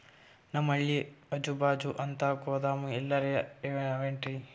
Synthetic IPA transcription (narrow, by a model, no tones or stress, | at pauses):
nɐmɐɭːiɐd͡ʒubaːd͡ʒuʔɐnt̪akoːd̪aːmuɛlːɐɾeɐeʋeɐʋeɳʈɾi